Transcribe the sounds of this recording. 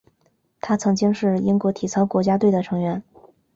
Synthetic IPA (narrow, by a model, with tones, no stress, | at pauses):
t̪ʰa˥t͡sʰɤ˧˥ŋt͡ɕi˥ŋʂɻ̩˥˩i˥ŋkwɔ˧˥t̪ʰi˨˩t͡sʰɑ˧˥ʊkwɔ˧˥t͡ɕja˥t̪we˥˩ɪd̪ə˩ʈ͡ʂʰɤ˧˥ŋɥɛ˧˥n